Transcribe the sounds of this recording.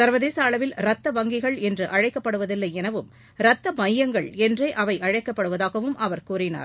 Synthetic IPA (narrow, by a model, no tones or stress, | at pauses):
sɐɾʋɐðeːsɐːɭɐʋɪlɾɐt̪ːɐʋɐŋɡɪɣɐɭɛndrɯʔɐɻɐɪkːɐpːɐɽɯʋɐðɪlːɐɪɛnɐʋɯm | ɾɐt̪ːɐmɐjːɐŋɡɐɭɛndreːʔɐʋɐɪʔɐɻɐɪkːɐpːɐɽɯʋɐðaːɣɐʋɯmʔɐʋɐɾkuːrɪna̰ːɾ